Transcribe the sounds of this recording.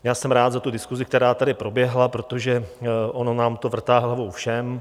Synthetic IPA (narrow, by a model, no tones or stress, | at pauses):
jaːsɛmɾaːd̪zat̪udɪskuzɪkt̪ɛɾaːt̪adɪpɾo̞bjɛɦlapɾo̞t̪oʒɛʔononaːmt̪o̞vr̩t̪aːɦlavowfʃɛm